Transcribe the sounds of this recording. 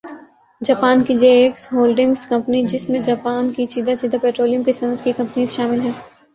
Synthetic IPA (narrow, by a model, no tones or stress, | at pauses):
d͡ʒaːpaːnkid͡ʒeːksɦoːlɖɪ̃ŋɡskɐ̃mpənid͡ʒɪsmẽd͡ʒaːpaːnkit͡ʃiːd̪at͡ʃiːd̪apeːʈɾoːlijʊ̃mkisɐməd͡ʒkikɐ̃mpəniːzʃaːmɪlɦɛ̃ː